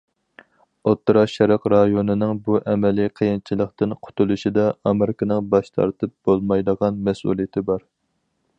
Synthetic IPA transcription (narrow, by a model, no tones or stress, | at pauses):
ot̪ːɾɑʃɛɾɑqɾɑjonɨnɪŋbuʔɛmɛliqʰəjint͡ʃʰilˠəqt̪ɨnqʰʊ̥t̪ulˠuʃid̪ɑɑmɪɾɪkɑnɨŋbɑʃt̪ʰɑ̰ɾt̪ʰɨp̚b̥olˠmɑjd̪əʁɑnmɛsṵlˠijit̪ʰɪbɑɾ